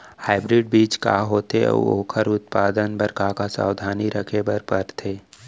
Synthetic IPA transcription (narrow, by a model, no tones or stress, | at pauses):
haːɪbɾɪɖbiːt͡ʃka̰ːɦoːt̪ḛo̰ːkʰəɾʊt̪̚paːd̪ənpəɾkakasa̰ːwd̪ʱaːniɾəkʰebəɾpəɾt̪ʰeː